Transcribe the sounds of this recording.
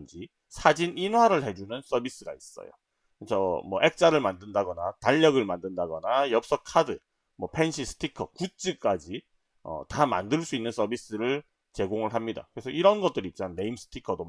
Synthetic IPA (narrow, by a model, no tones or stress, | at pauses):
nd͡ʑi | sʰad͡ʑininwaɾɯɭhe̞d͡ʑunɯns͈ʌbis͈ɯɡa̰is͈ʌ̰jo̰ | t͡ɕʰʌmwʌʔe̞k̚t͡ɕ͈aɾɯɭmandɯndaɡʌnataʎːʌɡɯɭmandɯndaɡʌnajʌp̚s͈ʌkʰadɯ | mwʌpʰe̞nɕʰisʰɯ̥tʰikʰʌkut͡ɕ͈ik͈ad͡ʑi | ʌ̰tama̰ndɯɭs͈uinːɯns͈ʰʌbis͈ɯɾɯɭ | t͡ɕe̞ɡoŋɯɭɦamɲida̰kɯɾe̞sʰʌiɾʌnɡʌt͈ɯɾiːt̚t͡ɕ͈manːe̞imsʰɯ̥tʰikʰʌdo